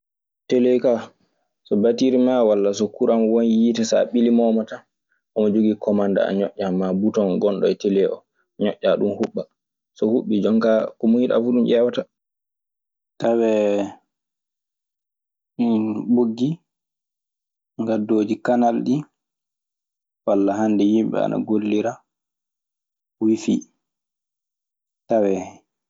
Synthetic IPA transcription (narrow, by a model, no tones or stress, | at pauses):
telejka | sɔbatiɾimawalːasɔkuɾʔamɔwɔnjitɛsa̰ɓilimɔmata | ʔɔmɔd͡ʒoɡikɔmanda̰a̰ɲɔʔʲːamːabutɔnɡɔnɗɔ̰ɛtelɛɔ̰ | ɲɔʔːaɗumhuɓːa | sɔhuɓːid͡ʒɔŋkakɔmuiɗa̰fuɗumʔɛwata | tawɛ | minɓoɡːi | ŋɡadoːd͡ʒikanalɗi | walːaɦandɛjimɓɛ̰a̰na̰ɡolːiɾa | wifi | tawɛ